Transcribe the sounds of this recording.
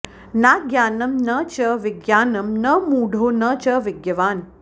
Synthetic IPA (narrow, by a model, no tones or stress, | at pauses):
naːɡjaːnɐmnɐt͡ʃɐʋɪɡjaːnɐmnɐmuːɽ̤ʱoːnɐt͡ʃɐʋɪɡjɐʋaːn